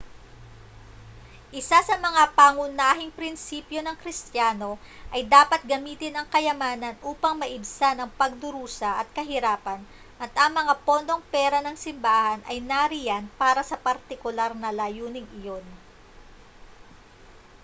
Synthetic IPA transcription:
ʔɪsasɐmɐŋapaːŋʊnaːɦɪŋpɾɪnsiːpjo̞nɐŋkɾɪst̪jaːno̞ | ʔɐjd̪aːpɐt̪̚ɡɐmiːt̪ɪnɐŋkɐjɐmaːnɐnʔuːpɐŋmɐʔɪbsanɐŋpɐɡ̚d̪ʊɾuːsɐʔɐt̪̚kɐɦɪɾaːpɐn | ʔɐt̪ʔɐŋmɐŋapo̞nd̪o̞ŋpɛːɾɐnɐŋsɪmbaːhɐnʔɐjnaɾɪjanpaːɾɐsɐpɐɾt̪ɪkʊlaɾnɐlaːjuːnɪŋɪjo̞n

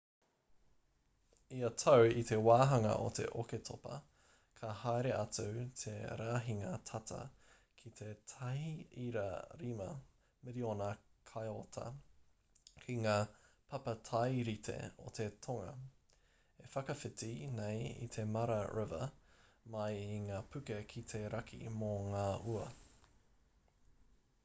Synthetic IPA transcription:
iɐt̪ʰɐwit̪ʰe̞waːɦɐŋɐ̰ʔot̪ʰe̞̰ʔoketʰopɐ̰ | kʰɐhajɾeʔɐtut̪ʰeɾaːɦiŋɐtʰɐtʰɐ̰ | kʰit̪ʰe̞tʰɐhiiɾɐ̰ɾimɐ̰ | mɪɾionɐkʰajot̪ʰɐ̰ | kʰiŋaːpʰɐpɐtʰajɾitʰe̞̰o̰t̪ʰe̞tʰoŋɐ̰ | efɐkɐfɪtinejḭt̪ʰe̞mɐɾɐɹʔɪvɐ̰ | mɐjiŋaːpʰʉkekʰit̪ʰe̞ɾɐkʰḭmoŋaːʔuɐ

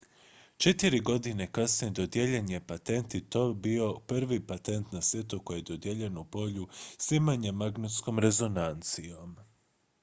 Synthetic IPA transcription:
t͡ʃe̞t̪iɾiɡo̞d̪ine̞kasnied̪o̞d̪jeʎeɲepat̪e̞nt̪it̪o̞bio̞prʋipat̪e̞nt̪nasʋjet̪uko̞jied̪od̪jeʎe̞nuupo̞ʎusimaɲemaɡnut̪sko̞mɾe̞zo̞nant̪sijo̞m

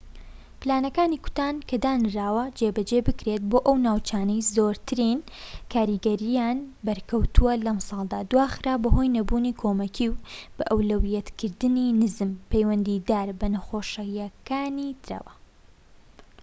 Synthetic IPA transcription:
plaːnɐkaːniːkʊ̥t̪aːnkʰɐd̪aːnraːwɐd͡ʒebɐd͡ʒebɨkɾet̪̚boːʔɐwnaːwt͡ʃaːnɐjzoːɾt̪ʰɨɾin | kʰaːɾiːɡɐɾijaːnbɐɾkʰɐwt̪ʰuwɐlɐmsɑːlˠd̪aːd̪waːxɨɾaːbɐɦo̞jnɐbuːniːkʰoːmɐkʰiwb̥ɐʔɐwlɐwjɛt̪kʰɨɾd̪ɨninɨzɨmpejwɐnd̪iːd̪aːɾbɐnɐxoːʃɐjɐkaːnit̪ʰɨɾa̰ːwɐ

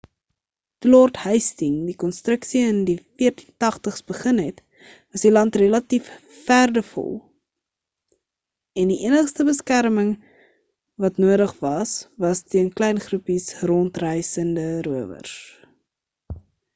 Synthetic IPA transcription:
tulɔrthəjstiŋdikɔnstrəksiəndifiərti̥ntɐχtəχsbəχənɦɛt | vɐsdilɐntrelɐtifː | ærdəfɔ̰lˠ | ɛndiʔiənəχstəbəskærməŋ | vɐtnuəɾəχvɐsvɐstiənklɛjnχrupisrɔntrɛjsəndəɾuəvə̰rs

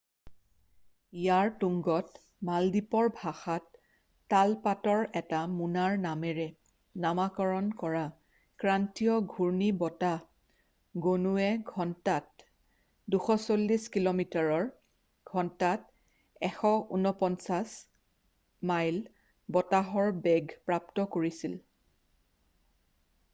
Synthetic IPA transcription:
ijaɹtuŋɡɔt | maldipɔɹbʱaxatː | alpatɔɹɛtamunaɹnamɛɹɛ | namakɔɹɔnkɔɹa | kɹantiɔɡʱuɹnibɔta | ɡonuɛɡʱɔntat̚ | duxɔsolːiskilomitaɹɔɹ | ɡ̥ʱɔntat | ɛxɔʔunɔpɔnsas | majl | bɔtaɦɔɹbɛɡʱpɹap̚tɔkoɹisil

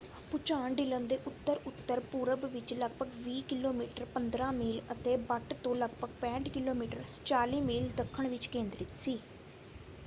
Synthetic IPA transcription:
pʊt͡ʃaːɳɖɪlənd̪eːʔʊt̪ːəɾʊt̪ːəɾpuːɾəbʋɪt͡ʃləɡbəɡʋiːkɪloːmiːʈəɾpənd̪ɾãːmiːlət̪eːbəʈt̪õːləɡbəɡ̚pɛ̃ːɳʈkɪloːmiːʈəɾt͡ʃaːliːmiːld̪əkʰːəɳʋɪt͡ʃkẽːnd̪ɾɪt̪siː

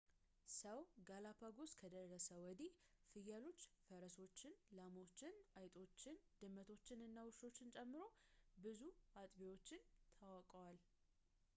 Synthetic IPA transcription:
səwɡalapʰaɡo̞skʰəd̪ərːəsəwɔd̪ifɨjalo̞t͡ʃːfəɾəso̞t͡ʃːɪnlamo̞t͡ʃːɪnajt̪ʼo̞t͡ʃːɪnd̪̥ɨmːət̪ʰo̞t͡ʃːɪnɨnːawɨʃo̞t͡ʃːɪnt͡ʃʼɛmːɨɾo̞bɨzuat̪ʼbewo̞t͡ʃːɪnt̪ʰawakʼəwal

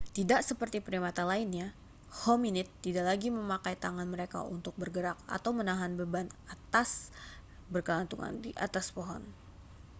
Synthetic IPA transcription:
t̪idaʔsəpərt̪ipɾimat̪alainɲa | hɔminɪt̪ːidaʔlaɡiməmakajt̪aŋanməɾeka̰ṵnt̪ʊk̚bərɡəɾak̚a̰t̪awmənaɦanbəbanat̪as | bərkəlant̪uŋa̰ndiʔat̪aspoɦɔ̰n

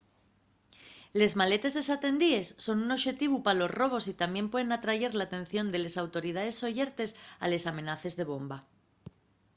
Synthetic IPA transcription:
le̞zmale̞t̪e̞zðe̞sat̪e̞nd̪ie̞sːo̞nuno̞βʃe̞t̪iβupalo̞zro̞β̞o̞sit̪ambje̞mpwe̞ð̞e̞nat̪ɾaʝe̞ɾlat̪ẽ̞n̟θjo̞nd̪e̞le̞sawt̪o̞ɾið̞aðe̞sːo̞ʝeɾt̪e̞sa̰le̞samẽ̞naθe̞zðe̞β̞o̞mba

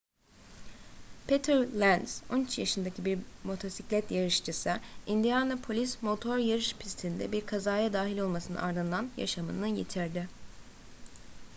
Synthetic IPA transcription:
pʰet̪ʰɛɾlʲænso̞̰nyt͡ʃjaʃɯnd̪acʰibiɾmo̞t̪ʰo̞siclʲɛt̪jaɾɯʃt͡ʃɯsɯind̪ijanapʰo̞lʲismo̞t̪ʰo̞ɾjaɾɯʃpʰist̪ʰind̪ɛ̰biɾkʰazaːjad̪aːɦilʲo̞lˠmasɯnɯ̰ʔaɾd̪ɯnd̪ˠanja̰ʃamɯ̰nɯjet̪ʰiɾd̪ɪ

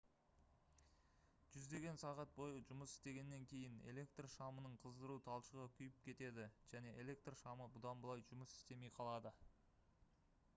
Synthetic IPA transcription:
ʒ̥ʏzd̪e̞ɡʲe̞nsɑʁɑt̪̚bo̞jəʒʊməsɪ̥st̪e̞ɡʲe̞nːe̞ŋkʲʰe̞jɪnḛle̞kt̪rʃɑmənəɴqʰəzd̪əɾut̪ʰɑlˠʃəʁəkʲʰʏjɪp̚kʲʰe̞t̪e̞d̪ɪʒ̥æne̞ʔele̞k̚t̪rʃɑməbʊd̪ɑnbəlˠɑjʒʊməsɪ̥st̪e̞me̞jqʰɑlˠɑd̪ə

